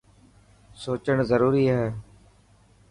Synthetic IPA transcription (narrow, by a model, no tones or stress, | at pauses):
soːt͡ʃəɳzəɾuːɾiːɦɛː